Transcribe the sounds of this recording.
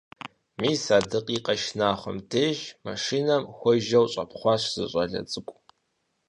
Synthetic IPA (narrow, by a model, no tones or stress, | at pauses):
miːsaːdɨqʼiːqʼɐʃnaːχʷɔ̰mtʰeːʒma̰ʂiːnɐmxʷɔʒɐwɕʼɐ̰pχʷɑɕʷz̥ɨɕʼɐɮɐ̰t͡sʼɨkʷʼ